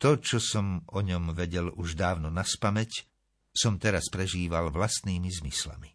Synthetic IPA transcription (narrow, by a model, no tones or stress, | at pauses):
t̪ɔt͡ʃɔsɔmɔɲɔmʋɛɟɛluʒd̪aːʊnɔnaspamɛc | sɔmt̪ɛɾaspɾɛʒiːʋalʋlast̪niːmizmisla̰mi